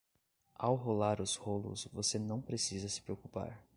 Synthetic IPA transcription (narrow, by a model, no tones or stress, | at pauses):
a̰wɦolaɾʊzholʊ̰svosenɐ̃w̃pɾesizɐsɪ̥pɾeokupa̰ɾ